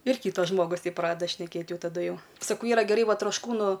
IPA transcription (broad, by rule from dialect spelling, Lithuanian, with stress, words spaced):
ɪr ˈkʲiːtɐs ˈʒmoːɡʊs ˈtʲɛɪp ˈprɑːdʲɛdɐ ʃʲnʲɛˈkʲeːt ˈjɛʊ tɐˈdʊ ˈjɛʊ sɐˈkɐʊ ˈiːrɐ ɡʲɛˈrɐɪ ˈʋɐ troːʃˈkuːnʊ